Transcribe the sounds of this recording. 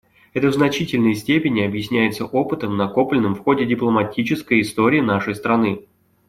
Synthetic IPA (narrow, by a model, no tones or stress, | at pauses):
ɛt̪əvznɐt͡ɕitʲɪlʲnəjəsʲtʲepʲɪnʲɪɐbjɪsʲnʲæjɪt̪səʔo̞pɨt̪əmnɐko̞plʲɪnːɨmfxo̞dʲɪdʲɪplˠəmɐtʲit͡ɕɪskəjɪst̪o̞ɾʲɪːnaʂəjst̪ɾɐnɨ